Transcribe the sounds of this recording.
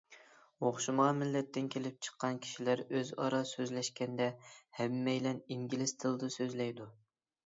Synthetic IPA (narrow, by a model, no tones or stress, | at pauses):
oχʃumɑmɪlːɛt̪ːɪnkʲʰelɪp̚t͡ʃʰə̥qːɑnkʲʰi̥ʃilæɾøzɑ̰ɾɑsøzlɛʃkʲɛnd̪ɛhɛmːɛjlɛniŋɡʲilɪsd̪ʰɨlˠd̪ɨsøzlɛjd̪u